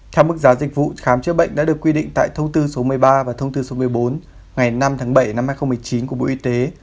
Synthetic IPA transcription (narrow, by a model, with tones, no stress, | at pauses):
t̪ʰɛ˧wmɨ˦˥k̚zaː˨˦zï˨˩k̟̚vṵ˧˨xaː˨˦mt͡ɕɨ̰˧˦˥ɓə̰˧˨jŋ̟ɗa̰ː˧˥ɗɨ˨˩əkːwi˧ɗḭ̈˧˨ŋ̟t̪a̰ː˧˨jt̪ʰə˧wŋ͡mt̪ɨ˧so˨˦mɨ˨˩əjɓaː˧vaː˨˩t̪ʰə˧wŋ͡mt̪ɨː˧so˨˦mɨ˨˩əjɓo˨˦n | ŋa˨˩jna˧mt̪ʰaː˨˦ŋɓə˧˩jna˧mhaː˧jxə˧ŋ͡mm˨˩əjt͡ɕi˨˦nku˧˩əɓo̰˧˥˨ʔi˧t̪e˨˦